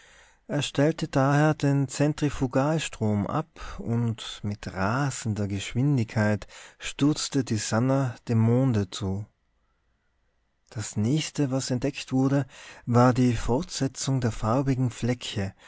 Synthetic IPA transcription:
ʔeːɐʃtɛltədaːheːɐdeːnt͡sɛntʁ̥ifuɡaːlʃtʁ̥oːmʔa̰pʊntmɪtʁaːzn̩dɐɡəʃv̥ɪndɪçkʰaɪtʃtʏɐt͡stədiːzanɐd̥eːmːoːndət͡suː | d̥asnɛːçstəvasɛntd̥ɛktv̥ʊɐɾəvaːɐdiːfɔɐtz̥ɛt͡sʊŋdeːɐfaʊbɪɡŋ̩flɛçə

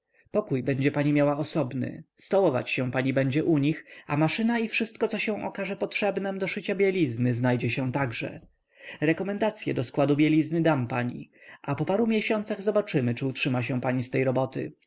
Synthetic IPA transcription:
pɔkujbɛɲd͡ʑɛpaɲimʲjawaɔsɔbnɘ̰st̪ɔwɔva̰t͡ɕɕɛ̃paɲibɛɲd͡ʑɛʔuɲixa̰maʂɘnaifʂɘst̪̚kɔt̪sɔɕɛ̃w̃ʔɔ̰kaʐɛpɔtʂɛbnɛmd̪ɔʂɘt͡ɕabʲjɛlʲiznɘznajd͡ʑɛɕɛ̃t̪aɡʐɛ̰ | ɾɛkɔmɛnd̪at̪sʲjɛ̰d̪ɔskwad̪ubʲjɛlʲiznɘd̪ampaɲḭʔapɔpaɾumʲjɛɕɔnt̪saɣzɔbat͡ʂɘmɘt͡ʂɘutʂɘmaɕɛ̃paɲist̪ɛjɾɔbɔt̪ɘ̰

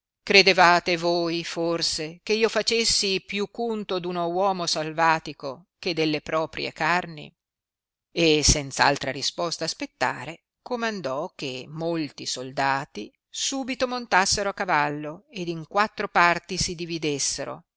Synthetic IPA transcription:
kɾed̪evaːt̪evojforsekeiːofat͡ʃesːipjukːunt̪od̪unowɔːmosalvaːt̪iko | k̟ed̪elːepɾɔːpɾjḛkarnḭ | esɛnt̪saa̰lt̪ɾaɾispɔst̪aːspet̪ːa̰ːɾe | komand̪ɔk̟emːolt̪isold̪aːt̪i | suːbit̪omont̪asːeɾoakːavalːoed̪iŋkwat̪ːɾopart̪isid̪ivid̪esːeɾo̰

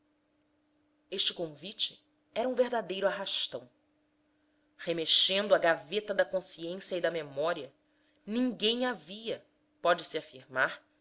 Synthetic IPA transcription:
eʃt͡ʃɪkõvit͡ʃɪ̥ | ɛɾɐũveɦd̪ad̪ejɾʊaɦaʃt̪ɐ̃w̃ | hemeʃẽnd̪ʊaɡavet̪ɐd̪ɐkõsiẽsjɐid̪ɐmemɔɾiɐ | nĩŋɡẽj̃aviɐ | pɔd͡ʒɪsiafiɾmaɾ

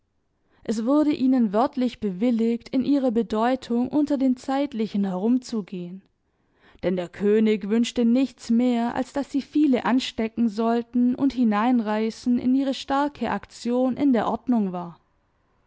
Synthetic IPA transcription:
ʔɛs̬v̥ʊɐɾəʔiːnənvœɐtʰlɪçb̥əvɪlɪçtɪnʔiːʁ̞ɐbədɔʏtʰʊŋʔʊntɐdeːnt͡saɪtlɪçn̩hɛʁ̞ʊmt͡suɡeːən | d̥ɛndeːɐkʰøːnɪçvʏnʃtənɪçt͡smeːɐʔa̰lsd̥asz̥iːfiːləʔanʃtɛkŋ̩zɔltn̩ʊ̰nthɪnaɪnʁaɪsn̩ɪ̰nʔiːʁəʃtaɐkʰəʔakt͡sjoːnʔɪ̰ndeːɐʔɔɐdnʊŋvaːɐ

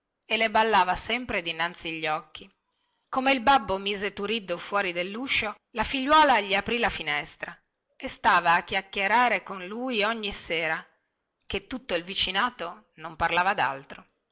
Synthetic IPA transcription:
elːebalːaːvasɛmpɾed̪inant̪siaʎːɔkːi | komeilbabːomiːzet̪uɾid̪ːofwɔːɾid̪elːuʃːo | lafiʎːwɔːlaʎiapɾilafinɛst̪ɾa | est̪aːvaːkːjakːeɾaːɾekonluːjoɲːiseːɾa | ket̪ːut̪ːoilvit͡ʃinaːt̪o | nomparlaːvad̪a̰lt̪ɾo

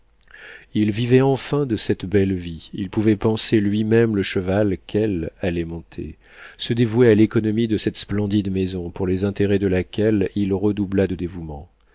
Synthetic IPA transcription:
ilvivɛɑ̃fɛ̃d̪əsɛt̪bɛlviilpuvɛpɑ̃selɥimɛmləʃəvalkʰɛlalɛmɔ̃t̪ʰḛ | səd̪evuɛalekɔnɔmid̪əsɛt̪splɑ̃d̪id̪mezɔ̃puʁlɛzɛ̃t̪eʁɛd̪əlakʲɛlilʁəd̪ublad̪əd̪evumɑ̃

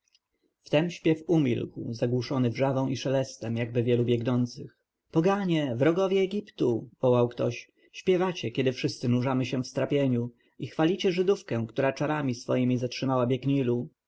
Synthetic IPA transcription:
ft̪ɛmɕpʲjɛfumʲḭlkwzaɡwuʂɔnɘvʐavɔ̃w̃ʔiʂɛlɛst̪ɛmjaɡ̚bɘvʲjɛlubʲjɛɡnɔnt̪sɘx | pɔɡaɲɛvɾɔɡɔvʲjɛːɡʲipt̪uv̥ɔwawkt̪ɔɕ | ɕpʲjɛvat͡ɕɛkʲɛd̪ɘfʂɘst̪sɘnuʐamɘɕɛ̃fst̪ɾapʲjeɲu | ixfalʲit͡ɕɛʐɘd̪ufkɛ̃kt̪uɾat͡ʂaɾamʲisfɔ̰jimʲizatʂɘmawabʲjɛɡɲilu

